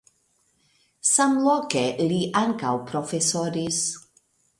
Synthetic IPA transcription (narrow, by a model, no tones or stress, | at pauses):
samlɔkeliʔaŋkawpʰɾɔfɛsɔɾis